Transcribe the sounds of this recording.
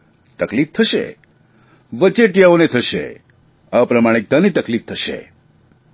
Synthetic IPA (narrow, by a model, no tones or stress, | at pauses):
t̪əklift̪ʰəʃḛ | ʋət͡ʃeʈjaonet̪ʰəʃḛ | apɾəmaɽ̃ek̚d̪ʱənit̪əklift̪ʰəʃḛ